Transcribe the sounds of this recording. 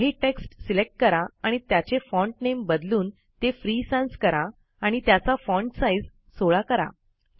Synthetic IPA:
ɦiʈeksʈsilek̚ʈ̚kəɾaaɽ̃it̪jat͡ɕefɔ̃ɳʈnembəd̪luːn | t̪efɾisãnskəɾaː | ɽ̃it̪jat͡safɔ̃ɳʈsaid͡z | soɭakəɾa̰

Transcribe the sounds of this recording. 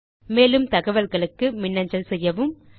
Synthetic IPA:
meːlɯmt̪ɐɣɐʋɐlɣɐɭɯkːɯmɪnːɐɲd͡ʒɐlsɛjːɐʋɯm

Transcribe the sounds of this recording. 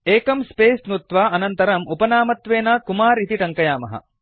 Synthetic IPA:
eːkɐmspeːsnut̪ʋaːɐnɐnt̪ɐɾɐmupɐnaːmɐt̪ʋeːnaːkumaːɾit̪iʈɐŋkɐjaːmɐ̰ɦɐ̰

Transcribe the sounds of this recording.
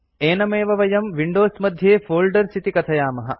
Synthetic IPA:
eːnɐmeːʋɐʋɐjɐmʋiɳɖoːsmɐd̪ʱjeːfoːlɖɐɾsʰit̪ikɐt̪ʰɐjaːmɐɦɐ̰̆

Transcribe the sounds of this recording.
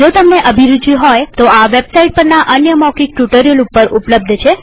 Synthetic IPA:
d͡ʒot̪əmneʔəbʱiɾud͡ʒiɦɔjt̪oaʋebsaiʈ̚pəɾnaʔənjəmɔkik̚ʈuʈəɾiəlupːəɾupləb̚d̪ʱt͡ʃʰe

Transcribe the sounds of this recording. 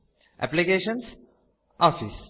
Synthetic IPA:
ʔɛ̰plikeːʃə̃ns | ʔɔːfis

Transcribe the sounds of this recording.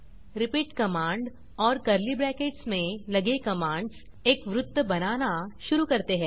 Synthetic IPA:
ɾɪpiːʈkɐmãːɳɖ | ɔːɾkɐɾlibɾɛːkeːʈsmẽlɐɡekɐmãːɳɖs | eːkʋɾʊt̪ːəbɐnaːnaʃʊɾukɐɾt̪eɦɛ̃ː

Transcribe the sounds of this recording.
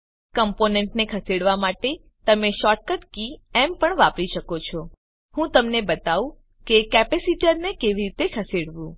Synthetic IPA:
kəmponeɳʈnekʰəseɽʋamaʈe | t̪əmeʃɔʈ̚kəʈkiɛmpəɳʋapɾiʃəkot͡ʃʰɔ | hũt̪əmnebət̪aʋũ | kekɛpesiʈəɾnekeʋiɾit̪ekʰəseɽʋũ

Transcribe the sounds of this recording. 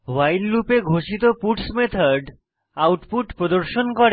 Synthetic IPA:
wajllupeɡʱoʃit̪opuʈsmet̪ʰaɖ | awʈpuʈpɾod̪oɾʃonkoɾ

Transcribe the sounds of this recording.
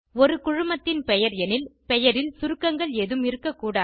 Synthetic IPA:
ɔɾɯkʊɻʊmɐt̪ːɪnpɛjɐɾɛnɪlpɛjɐɾɪlsʊɾɯkːɐŋɡɐɭɛðɯmɪɾɯkːɐkːuːɽaː

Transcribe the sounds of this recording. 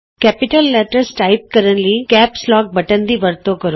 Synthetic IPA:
kɛːpɪʈəlːɛʈəɾsʈaːɪp̚kəɾənlikɛːpslɔːk̚bəʈə̃nd̪iʋəɾt̪okəɾo

